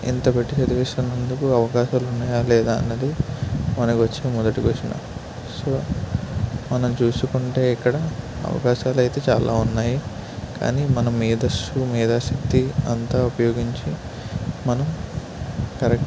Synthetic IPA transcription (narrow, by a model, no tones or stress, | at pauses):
ḭnt̪ɐbeʈːit͡ʃɐd̪iʋiːʂɐnɐnd̪ukuɐʋɐkaːʃaːlunːaːjaːlɛːd̪aːɐ̰nːɐd̪imɐnɐkiʋɐt͡ʃːeːmɔd̪ɐʈiɡoːt͡ʃina̰ | so̞ː | mɐnɐmt͡ʃuːsukuɳʈe̞ːikːɐɽɐɐ̰ʋɐ̰kaːʃaːlɐjt̪e̞ːt͡ʃa̰ːlʔa̰ːunːaːji | ka̰ːniːmɐnɐmːiːd̪ɐsumiːd̪aːʃɐk̚t̪iɐ̰nt̪aːupɐjo̞ːɡiɲt͡ʃi | mɐnɐm | kɐɾek